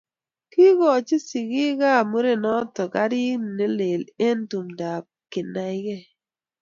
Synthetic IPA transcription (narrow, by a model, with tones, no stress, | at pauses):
ki˦ɡɔ˨t͡ʃi˦si˨ɡi˦ka˦˨mu˦ɾe˦nɔ˦tɔ˨ka˦ɾi˦n˨ne˦le˨le˦n̩˦tu˨mda˨p̚ki˨na˨ɪ˦ɡe˦˨